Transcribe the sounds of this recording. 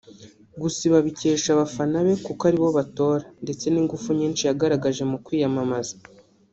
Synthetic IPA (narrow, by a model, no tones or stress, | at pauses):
ɡusiβaβice̞ːʃaβafanaβe̞kukoaɾiβo̞βato̞ːɾande̞t͡se̞niŋɡufuɲiːnt͡ʃijaɡaɾaɡaʒe̞mukwiːjamamazḁ